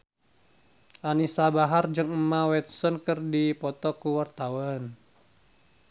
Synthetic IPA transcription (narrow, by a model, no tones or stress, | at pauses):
ʔanisabaɦard͡ʒɨŋəmawɛt̪̚sɔnkɨrdipɔt̪ɔkuwart̪awɔn